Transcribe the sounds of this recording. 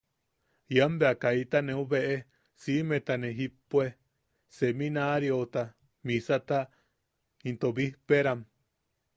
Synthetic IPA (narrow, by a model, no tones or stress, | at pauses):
jambeakait̪anẽũβeʔe | simẽt̪anẽɦipoe | semĩnaɾjot̪a | mĩsat̪a | ĩnt̪oβihpeɾam